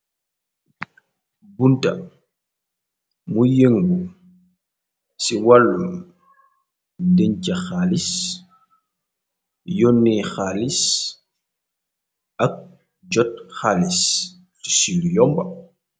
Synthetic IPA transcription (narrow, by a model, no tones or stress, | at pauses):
bunta | mujeŋɡu | siwalːum | deɲt͡ʃaxalis | jonːɛxalis | ʔak̚ | d͡ʒɔt̚xalis | fi̥sinjɔmba